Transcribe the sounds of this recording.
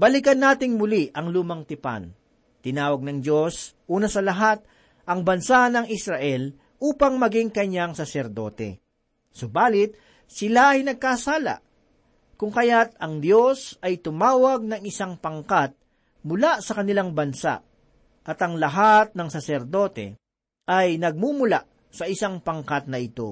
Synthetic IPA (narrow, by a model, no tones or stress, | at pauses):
bɐlɪkɐnːaːt̪ɪŋmʊliʔɐŋluːmɐŋt̪ɪpa̰n | t̪ɪnaːwɐɡ̚nɐŋd͡ʒo̞sʔuːnɐsɐlɐɦat̪̚ | ʔɐŋbɐnsanɐŋɪsɾɐʔɛl | ʔuːpɐŋmɐɡɪŋkɐɲaŋsɐsɛɾd̪o̞̰t̪ɛ̰ | sobaːlɪt̪̚ | sɪlaʔɐjnɐɡ̚kasaːla̰ | kʊŋkɐjat̪̚ɐŋd̪jo̞sɐjt̪ʊmaːwɐɡ̚nɐŋɪsaŋpɐŋkat̪̚ | mʊlasɐkɐnɪlaŋbɐnsa̰ | ʔɐt̪ɐŋlɐɦat̪̚nɐŋsɐsɛɾd̪o̞ːt̪ɛ̰ | ʔɐjnɐɡ̚mumʊla̰ | sɐʔɪsaŋpɐŋkat̪̚nɐʔɪt̪o̞̰